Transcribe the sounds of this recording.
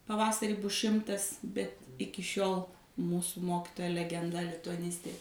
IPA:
pɐˈʋɑːsɐrʲiː ˈbʊs ˈʃʲɪmtɐs bʲɛt ˈɪkʲɪ ˈʃʲoːlˠ ˈmuːsʊ ˈmoːkʲɪtoːjɛ lʲɛɡʲɛnˈdɐ lʲɪtʊɐˈnʲɪsʲtʲeː

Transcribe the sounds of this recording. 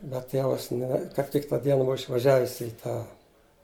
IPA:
bʲɛt ˈtʲeːʋɐs nʲɛ kɐp ˈtʲɪk tɐ ˈdʲiɛnɐ ˈbʊʋɐ ɪʃʋɐˈʒʲæːʋʲɪs ɪ ˈtɑː

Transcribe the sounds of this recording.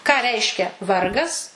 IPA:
kɑː ˈrʲɛɪʃʲkʲɛ ˈʋɐrɡɐs

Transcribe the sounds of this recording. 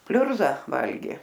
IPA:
ˈpʲlʲʊrzɐ ˈʋɐlʲɡʲeː

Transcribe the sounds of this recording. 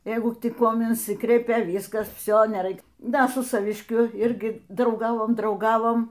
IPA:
ˈjɛɪɡʊ tʲɪk ˈkuɔm ɪnʲˈsʲɪkrʲɛɪpʲɛ ˈʋʲiːskɐs ˈʋʲsʲoː nʲɛˈrɐɪk ˈdɐ sʊ sɐʋʲɪʃʲˈkʲʊ ˈɪrʲɡʲɪ drɐʊˈɡɑːʋoːm drɐʊˈɡɑːʋoːm

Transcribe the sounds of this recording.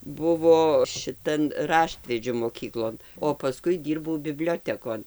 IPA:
ˈbʊʋoː ʃʲɪˈtɐn ˈrɑːʃʲtʲʋʲɛd͡ʒʲʊ moːˈkʲiːklˠoːn oː pɐˈskʊɪ ˈdʲiːrbɐʊ bʲɪˈbʲlʲoːtʲɛkoːn

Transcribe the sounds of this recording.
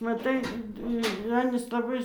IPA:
mɐˈtɐɪ ɪr ˈɑːnʲiːs lˠɐˈbɐɪ

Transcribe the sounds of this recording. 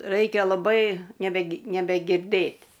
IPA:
ˈrɐɪkʲɛ lˠɐˈbɐɪ nʲɛbʲɛ nʲɛbʲɛɡʲɪrˈdɘtʲ

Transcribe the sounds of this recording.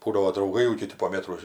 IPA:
ˈbuːdɐʋoː drɐʊˈɡɐɪ jɛʊ kʲɪˈtʲɪ poː ˈmʲeːtroː

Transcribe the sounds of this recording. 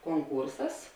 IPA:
koːŋˈkuːrsɐs

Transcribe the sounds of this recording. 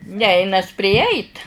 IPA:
ˈnʲɛɪnɐs pʲrʲɪˈjɛɪt

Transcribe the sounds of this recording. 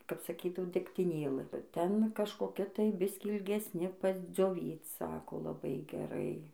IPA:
kɐp sɐˈkʲiːdɐʋoː dʲɛktʲɪˈnʲeːlˠɨ ˈtʲɛn kɐʃkoːˈkʲɛ tɐɪ ˈbʲɪsʲkʲiː ɪlʲɡʲɛsʲˈnʲɪ pɐzʲd͡zʲoːˈʋʲiːt͡s ˈsɑːkoː lˠɐˈbɐɪ ɡʲɛˈrɐɪ

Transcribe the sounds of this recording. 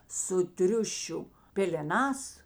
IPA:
sʊ ˈtʲrʲʊʃʲʊ pʲeːlʲɛˈnɑːs

